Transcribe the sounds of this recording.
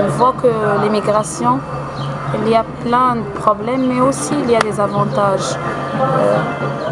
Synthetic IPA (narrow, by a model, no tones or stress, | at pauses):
ɔ̃vwakəlimiɡʁasjɔ̃ | iliaplɛ̃d̪əpχɔblɛmːɛosiːlijad̪ezavɑ̃t̪aʒ̰